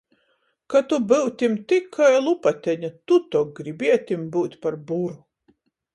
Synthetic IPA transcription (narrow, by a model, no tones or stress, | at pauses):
kat̪ubɨwt̪ʲimt̪ikʰːajlˠupat̪ʲɛɲat̪ut̪ɔɡɾibiɛt̪ʲimbɨwt̪ʲpaɾbuɾu